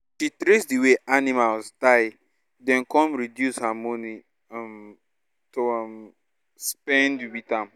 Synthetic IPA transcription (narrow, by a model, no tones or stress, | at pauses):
ʃitɾesdiweʔanimalstaɪ | dɛ̃nkɔ̃nɹidjushamɔni | am | tom | spɛ̃ndibitãm